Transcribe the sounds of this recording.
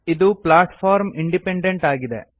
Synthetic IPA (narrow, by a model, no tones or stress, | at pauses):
iðupɭaːʈfaːɾmiɳɖipeɳɖeɳʈaːɡiðḛ